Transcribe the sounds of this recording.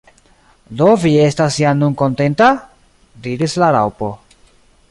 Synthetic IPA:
do̞vie̞stasianunko̞nte̞nta | diɾislaɾa̰wpo̞

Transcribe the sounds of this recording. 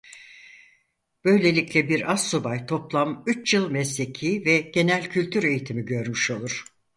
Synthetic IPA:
b̥ø̞jlʲe̞lʲiclʲɛbiɾazsobajt̪ʰo̞plˠamyt͡ʃjɯlˠmɛslʲe̞cʰiːvɛɟ̥e̞nælʲcʰylʲt̪ʰyɾe̞jit̪ʰimiɟø̞ɾmyʃo̞lˠuɾ̥

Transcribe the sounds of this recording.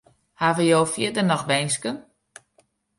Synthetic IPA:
haʋəjoːfjɪdənɔxʋɛjnskən

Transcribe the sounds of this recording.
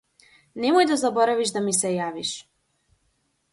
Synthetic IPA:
nɛmɔjd̪azabɔɾaviʒd̪amisɛjaʋiʃ

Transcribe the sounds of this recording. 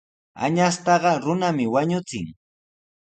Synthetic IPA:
a̰ɲast̪ɑɢɑɾʊnamɪwaɲʊt͡sɪŋ

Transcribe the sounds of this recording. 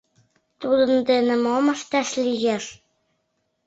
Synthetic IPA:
t̪ud̪ɤ̆nd̪ĕnɘ̆mɑmɤ̆ʃt̪æʃlʲiɣæʃ

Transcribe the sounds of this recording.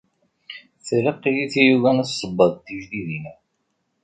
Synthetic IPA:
θɾəqːijiθijuvænəsˤəbːəðˤt̪ːiʒðiðinæ

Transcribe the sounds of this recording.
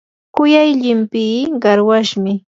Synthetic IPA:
kʊjajʎɪmpiːɢɑɾwaʃmɪ

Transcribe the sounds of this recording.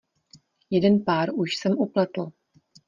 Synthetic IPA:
jɛdɛnpaːɾuʃsɛmʔuplat̪l̩

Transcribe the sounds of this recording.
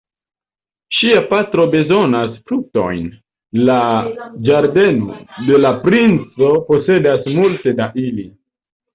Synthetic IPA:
ʃiapatɾo̞be̞zo̞nasfɾuk̚to̞̰jn | lad͡ʒaɾde̞no̰de̞lapɾint͡so̞po̞se̞dasmulte̞daʔili

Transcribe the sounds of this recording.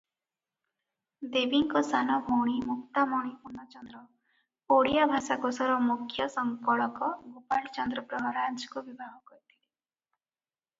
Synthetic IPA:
d̪ebiŋkɔsanɔbʱowɽ̃imukt̪amɔɽ̃ipunɔt͡ʃɔnd̪ɾɔ | oɽijabʱasakɔsɔɾɔmukʰːjɔsɔŋkɔɭɔkɔɡopalt͡ʃɔnd̪ɾɔpɾɔɦɔɾand͡ʒkubibʱaɦɔkɔɾit̪ʰili

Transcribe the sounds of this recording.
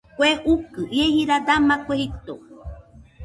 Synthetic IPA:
kʷeukɨʔiehiɾad̪amãkʷehit̪o

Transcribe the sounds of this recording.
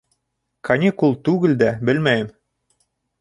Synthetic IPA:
kʰɑnʲikulˠt̪ʉɡɘ̆ld̪æbɘ̆lmæjɘm

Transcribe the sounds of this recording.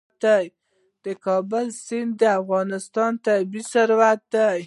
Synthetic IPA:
t̪̚d̪aj | d̪̥əkɑbəlsɪnd̪d̪əafɣɑnɪst̪ɑnt̪abisaɾwat̪̚d̪aj

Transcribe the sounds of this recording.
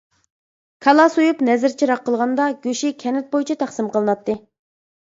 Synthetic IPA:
kʰɑlˠɑsujupnɛzɪɾt͡ʃʰiɾɑqːəlˠʁɑnd̪ɑɡʲøʃikʲʰɛnɪt̪̚bojit͡ʃʰɛt̪ʰæχsɨmqʰəlˠɨnɑt̪ːɨ

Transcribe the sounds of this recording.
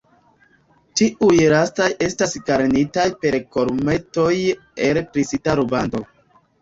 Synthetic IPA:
tiʔujɾastajʔe̞stasɡaɾnitajpe̞ɾko̞ɾme̞to̞j | elpɾisitaɾubando̞

